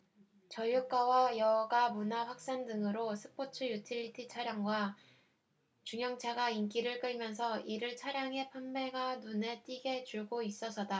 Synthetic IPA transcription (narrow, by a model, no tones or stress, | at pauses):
t͡ɕʌjuk͈̚awajʌɡamunaɸwak̚s͈andɯŋɯɾosʰɯpʰot͡ɕʰɯjutʰiʎːitʰit͡ɕʰaɾjaŋɡwa | t͡ɕuŋjʌŋt͡ɕʰaɡaink͈iɾɯɭk͈ɯɭmjʌns̬ʰʌiɾɯɭt͡ɕʰaɾjaŋe̞pʰamme̞ɡanone̞t͈iɡe̞t͡ɕuɭɡois͈ʌsʰʌda